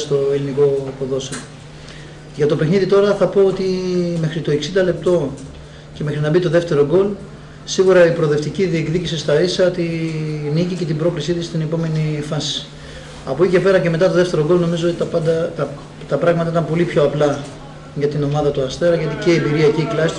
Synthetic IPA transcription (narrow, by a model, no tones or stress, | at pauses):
st̪o̞e̞liniko̞poðo̞so | ʝɐt̪o̞pe̞xniðit̪o̞ɾɐθɐpo̞ot̪ime̞xɾit̪o̞e̞ksind̪ɐle̞p̚t̪o̞ | ce̞me̞xɾinɐbit̪o̞ðe̞ft̪e̞ɾo̞ɡo̞l | siɣuɾɐipɾoðe̞ft̪iciðie̞kðicisist̪ɐisɐot̪inicice̞t̪ibɾo̞klisit̪ist̪inepo̞me̞nifɐsi̥ | ɐ̰po̞ice̞pe̞ɾɐce̞me̞t̪ɐt̪o̞ðeft̪e̞ɾo̞ɡo̞lno̞mizo̞ot̪it̪ɐpɐd̪ɐt̪ɐ | t̪ɐpɾɐɣmɐt̪ɐit̪ɐmpo̞lipço̞ɐplɐ | ʝɐt̪ino̞mɐðɐt̪uɐst̪eɾɐʝɐt̪iceiembiɾiɐciːklɐsi